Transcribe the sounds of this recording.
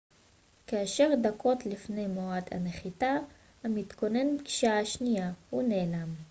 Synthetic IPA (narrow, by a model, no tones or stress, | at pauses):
kaːʃe̞ʁd̪akʰo̞tlifne̞jmoad̪ha̰neχit̪a | hamit̪ko̞ne̞nbɡi̥ʃaaʃnijahune̞ːlam